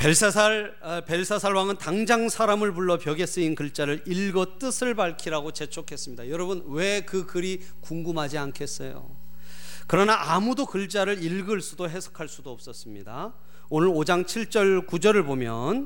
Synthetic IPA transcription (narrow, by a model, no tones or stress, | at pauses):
peɭsasʰa | pe̞ɭsʰasʰaɭwaŋɯntaŋd͡ʑaŋsʰaɾamɯɭpuɭːʌpjʌɡe̞s͈ɯinkɯɭt͡ɕ͈aɾɯɾiɭɡʌt͈ɯsʰɯɭbaɭkʰiɾaɡot͡ɕe̞t͡ɕʰokʰe̞s͈ɯmɲidajʌɾʌbɯnwe̞kɯkɯɾi | kuŋɡumɦad͡ʑiankʰe̞s͈ʌjo̰ | kɯɾʌnaʔamudokɯɭt͡ɕ͈aɾɯɾiɭɡɯɭs͈udoɦe̞sʰʌ̥kʰaɭs͈udoʌp̚s͈ʌs͈ɯmɲida | onɯɾod͡ʑaŋt͡ɕʰiɭt͡ɕ͈ʌɭkud͡ʑʌɾɯɭbomjʌn